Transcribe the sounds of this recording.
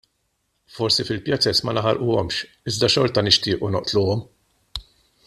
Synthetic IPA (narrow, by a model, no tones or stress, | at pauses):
fɔɾsifɪlpjɐt͡sɛsmɐnɐħɐɾʔuɔmʃ | ɪzd̪ɐʃɔɾt̪ɐnɪʃt̪ɪːʔunɔʔt̪luːɔm